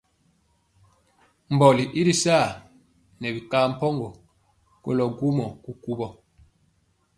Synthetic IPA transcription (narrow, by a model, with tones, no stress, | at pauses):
m̩˨bɔ˨li˨ʔi˦ɾi˦saː˦˨ | nɛ˨bi˨kaː˦m̩˦pɔ˦ŋɡɔ˨ | ko̰˦lɔ˨ɡu˦mɔ˨ku˦ku˦bɔ˨